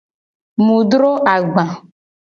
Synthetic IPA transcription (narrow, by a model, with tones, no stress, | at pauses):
mũ˨ɖɾo˦ʔa˨ɡ͡bã˨